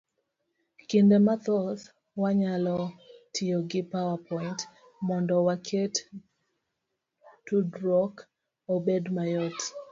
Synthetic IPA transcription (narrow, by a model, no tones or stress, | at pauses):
kendemat̪ɔθ | waɲalɔtʰɪjoɡɪpawapʰɔint | mɔndɔwakʰet | tudɾɔk | obedmajɔt